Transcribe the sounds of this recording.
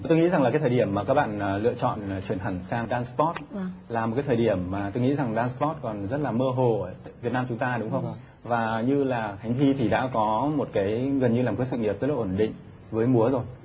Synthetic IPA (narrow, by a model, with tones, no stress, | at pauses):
t̪o˧jŋḭ˧˥za˨˩ŋlaː˨˩kːa˨˦jt̪ʰəː˨˩ɗi˧˩əmːaː˨˩kaː˦˥k̚ɓa̰ː˧˨nː˨˩lɨ̰˧˨ət͡ɕɔ̰˧˨n˨˩t͡ɕwi˧˩ənɦa˨˧˩ŋ̟saː˧ŋɗaː˧nspɔ˦˥t̚laː˨˩mo˨˩kaː˨˦jt̪ʰːɗi˧˩əmːaː˨˩t̪o˧jŋḭ˧˥za˨˩ŋɗaː˧nspɔ˦˥t̚kɔ˨˩nzə˦˥t̚laː˨˩məː˧ɦo˨˩˨ta̰˧˨vt̚naː˧mt͡ɕʊ˨˦ŋ͡mt̪aː˧ɗʊ˨˦ŋ͡mxə˧wŋ͡m | vaː˨˩ɲɨ˧laː˨˩xa˨˦jŋ̟t̪ʰi˧t̪ʰi˨˩ɗa̰ː˧˥kɔ˨˦mo˨˩t̚kaː˨˦jɣə˨˩nɲɨ˧laː˨˩mka˨˦jsɨ̰˧˨ŋi˨˩əp̚zə˦˥laː˨ʔo˧˩nɗḭ̈˧˨ŋ̟ | vəː˨˦jmu˨˦əzo˨˩j